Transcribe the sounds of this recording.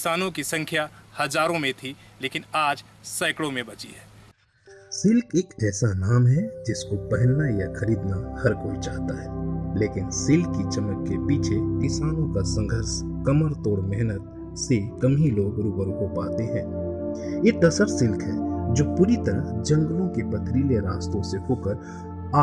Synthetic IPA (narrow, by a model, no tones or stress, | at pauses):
kɪsaːnõkisə̃ŋkʰjahɐzaːɾõmẽt̪ʰi | leːkɪnaːd͡ʒ | saːɪkɽõmẽbɐt͡ʃḭɦɛː | sɪlkeːkɛːsanaːmɦɛd͡ʒɪskopɛɦɪlnajaxɐɾiːd̪nahɐɾkoːit͡ʃaːɦt̪aɦɛːleːkɪnsɪlkːit͡ʃɐməkːepiːt͡ʃʰekɪsaːnõkasɐ̃ŋɡʱəɾs | kɐməɾt̪oːɽmɛɦnət̪ | sekɐmiloːɡɾuːpəɾõkopaːt̪eɦɛ̃ː | jet̪ɐsəɾsɪlkɦɛd͡ʒoːpuːɾit̪ɐɾəd͡ʒɐ̃ŋɡəlõkepɐt̪ʰɾiːleɾaːst̪õseɦoːkəɾ | aː